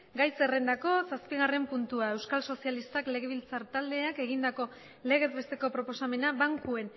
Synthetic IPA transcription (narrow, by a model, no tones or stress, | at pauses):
ɡajse̞re̞nd̪ako̞saspiɣare̞mpunt̪uae̞wskalso̞sijalist̪akle̞ɣ̞e̞β̞ilt͡saɾt̪ald̪e̞ake̞ɣ̞ind̪ako̞ | le̞ɣe̞zβe̞st̪e̞ko̞pɾo̞po̞same̞naβaŋkue̞n